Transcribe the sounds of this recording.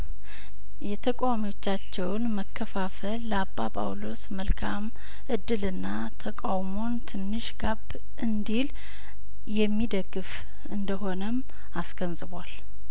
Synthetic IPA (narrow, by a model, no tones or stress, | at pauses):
jɛt̪ʰəkʼawamiwo̞t͡ʃːat͡ʃːɛwnməkʰːəfafəlːəabːapʼa̰wlo̞sməlkʰam | ʔɨd̪ːɨlɨnːa | t̪ʰəkʼawmo̞nt̪ʰɨnːɨʃɡab | ʔɨnd̪il | jɛmːid̪əɡɨf | ɨnd̪əɦo̞nəm | asɡənzɨβwal